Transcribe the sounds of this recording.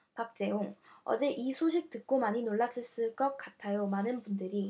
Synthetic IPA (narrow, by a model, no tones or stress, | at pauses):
pak̚t͡ɕ͈e̞oŋʌ̰d͡ʑe̞ʔisʰoɕʰik̚t͈ɯk̚k͈omaɲinoɭːas͈ʰɯɭs͈ɯɭk͈ʌk̚k͈atʰajomanɯnbundɯɾi